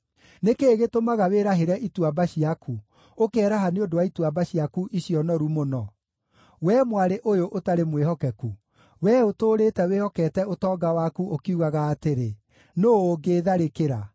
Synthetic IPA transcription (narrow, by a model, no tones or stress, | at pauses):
nekeːɣetomaɣaweɾaɦeɾɛʔitwabaɕiakʰu | okɛɾaɦaneodowaitwabaɕiakuʔiɕjɔnɔɾumonɔ | wɛmwaɾeʔojoʔotaɾemwehɔkɛku | wɛotoːɾeːtɛwehɔkɛtɛotɔːɡawakuʔokiuɣaɣaːteɾe | noːɡeːðaɾekeɾa